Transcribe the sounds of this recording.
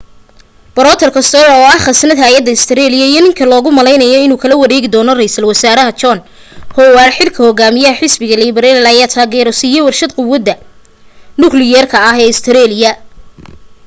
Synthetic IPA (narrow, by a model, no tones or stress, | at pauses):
b̥ɐɾɔːt̪ʰɛrkʰɐst̪ɔɾɔːɐhχɐsnɐd̪ɦaːjɐd̪ːɐɪst̪ʰɪɾɛːlɪjɐijɔnɪŋkʰɐlɔːɣʊmɐlɛjnɐjɔɪnuːkʰɐlɐwɐɾɛːɣɪd̪ɔːnɔrɛjsɐlwɐsaːɾɐɦɐt͡ʃɔn | hɔwaːrħɪlkʰɐhɔɡaːmɪjɐhɐħɪsbɪɣɐlibɛɾɛlɪlɐjaːt̪ʰaːɡɛɾɔsijɔwɐrʃɐd̪̚qʊwɐd̪ːɐ | nʊklɪjɛːrkʰɐːɦɛːɪst̪ʰɛɾɛːlɪjɐ